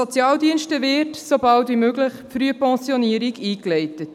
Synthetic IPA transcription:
ɔt͡sjɑːldiənʃtəvɪtsobɑltʋimøːɡləχfɾyəpɛ̃sjɔniəɾiɡiːklɛɪtət

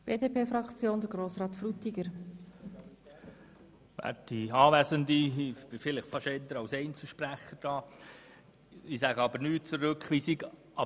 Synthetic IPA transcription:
b̥eːdepʰeːfɾɑkt͡sjoːnd̥̪əɡɾoːsɾɑːt̪fɾut̪ːiɡəɾ | ʋæ̰ːtd̥iɑːʋæzənd̪ib̥ɪfɪlɪχfɑʃɛnd̪əɾɑwsɛɪnt͡sl̩ʃpræχːəd̥ɑː | isæɡəɑbəɾnyːtt͡surɵkχʋisɪɡʔɑ

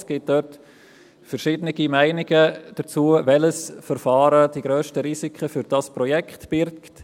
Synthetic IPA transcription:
sɡ̥ɪt̚d̥øːt | fəɾʃɪdənɪɡ̥imæɪnɪɡəd̥ət͡suəʋɛləsfəɾfɑːɾəd̥iɡ̥ɾœːʃtəɾisikʰəfʏɾd̥ɑspɾɔjɛkχtb̥ɪɾkt

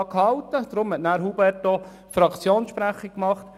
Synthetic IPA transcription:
khɑltəd̥ɾʊmhɛtnæːɾɦuːbɛɾt̚dɔ | fɾɑkt͡sjoːnsʃpɾæχɪkmɑχt

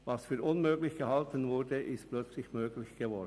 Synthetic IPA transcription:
vɑsfyːɐʔʊnmøːɡlɪçɡ̥əhɑltənvʊɐdəʔɪstplœt͡slɪçmøːɡlɪçɡ̥əvɔd

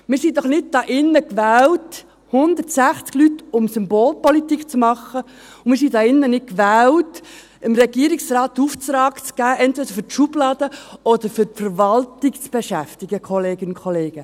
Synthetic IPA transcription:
mɪːɾsid̥ɔχnɪd̚d̥ɑːʔɪnːəkʋɛːlt | hʊnd̪əɾtsæχt͡skɡ̥lytʊmsʏmboːlpɔlitikt͡smɑχːə | ʊnmɪːɾs̬idɑːɪnːənɪt̚kʋæːlt | ɪmɾɛɡiəɾɪksrɑːtːuft͡sɾɑːɡt͡sɡ̥æːʔɛntvɛd̥əɾfʏtʃub̥lɑːd̥əɔd̥əɾfʏɾtfəɾvɑltɪkt͡sb̥eʃæftɪɡ̥əkχɔleːɡənʊnkʰoleːɡ̥ə

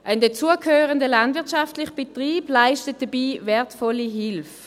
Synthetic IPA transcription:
ʔaɪndɛt͡suəkʰhøːʁəndəlandvɪɐʃaftlɪχb̥etʁiːb̥laɪʃtət̚d̥ɐbiːvɛɐtfɔliɦɪlf

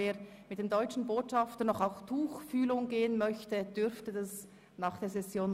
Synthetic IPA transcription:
eːɾmɪtd̥eːmdɔʏt͡ʃn̩boːtʃɑftənɔχaʊxtʰuːχfyːlʊŋɡeːənmœçtəd̥ʏɾftədɑs | naːχd̥eːsɛsjoːn

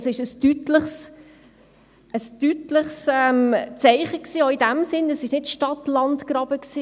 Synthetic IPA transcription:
sɪʃəstytləχs | ʔəstytləχsɛmt͡sɛɪχəksiːoidæmsɪnəsɪʃnɪtʃtɑtlɑntɡ̥ɾɑb̥əksiː

